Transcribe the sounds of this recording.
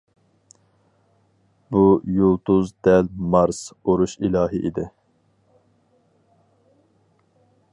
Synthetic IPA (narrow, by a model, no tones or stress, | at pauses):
bujulˠt̪ʰuzd̪ɛlmɑɾsoɾuʃilɑːɦiʔḭd̪ɪ